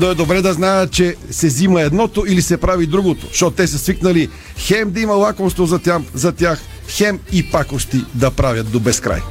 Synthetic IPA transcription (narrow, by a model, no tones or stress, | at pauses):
noɛd̪obɾɛd̪ɐznajət̪̚t͡ʃɛsɛzimɐɛd̪nɔt̪oilisɛpɾavid̪ɾuɡot̪o̥̰ʃt̪ɔt̪ot̪ɛsɐsviknɐli | xɛmd̪ɐimɐlˠakomst̪vozɐt̪ʲjamzɐt̪ʲjax | xɛmipakoʃt̪id̪ɐpɾavʲjɐt̪̚d̪obɛskɾa̰j